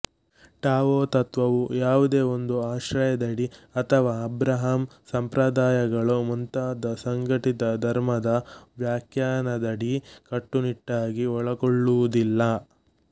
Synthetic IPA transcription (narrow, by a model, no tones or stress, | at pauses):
ʈaːʋoːt̪ɐt̪ʋɐʋujaːʋud̪e̞ːo̞nd̪uaːʃɾɐjɐd̪ɐɽiɐt̪ʰɐʋaːɐbɾɐɦamsɐmpɾɐd̪aːjɐɡɐɭumunt̪aːd̪ɐsɐŋɡɐʈit̪ɐd̪ʱɐɾmɐd̪ɐʋjaːkʰjaːnɐd̪ɐɽikɐʈːuniʈːaːɡiɔɭɐkoɭːuud̪ilːɐ